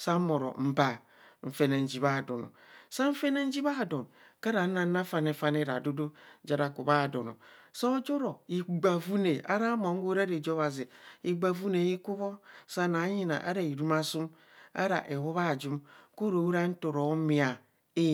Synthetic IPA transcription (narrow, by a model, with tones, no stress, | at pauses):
sa˦mo˨ɾo̰˨m̩˨ba˨ | ɱ̩˨fe˦ne˨n̩˦d͡ʒi˨βa˦˨do˨no̰˨sa˦ɱ̩˦fe˦ne˦n̩˦d͡ʒi˦βa˦˨do˨n | ka˦ɾa˨˦na˦na˦fa˦ne˨˦fa˦ne˦ɾa̰˨do˦do˦d͡ʒa˨ɾa˨ku˨βa˦˨do˨no̰˨sa˦d͡ʒo˦ɾo˨i˨ɡ͡ba˨vu˦ne˨a̰˦ɾa˦mo˨ŋ˦ɡo˦ɾa˦ɾe˨d͡ʒo˦βa˨zi˨i˨ɡ͡ba˨vu˦ne˨ji˦ku˦βɔ˦sa˦na˨˦ɲi˦na̰˨ʔa̰˦ɾa˨i˨ɾu˦ma˦su˦m | a̰˦ɾa̰˨ʔe˨wo˦βa˦˨d͡ʒu˦mko˦ɾo˨˦u˦ɾa˦n̩˦to˨ɾo˨˦mi˨a˨ | e˦